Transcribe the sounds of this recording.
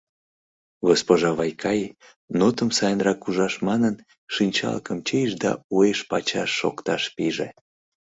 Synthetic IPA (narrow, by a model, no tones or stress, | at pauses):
ɣospoʒɑβɑjkʰɑj | not̪əmsɑjənrɑkuʒɑʃmɑnən | ʃinʲt͡ɕɑ̰lkəmt͡ɕejʃd̪ɑ̰ueʃpɑt͡ɕɑʃːo̰kt̪ɑʃpiʒḛ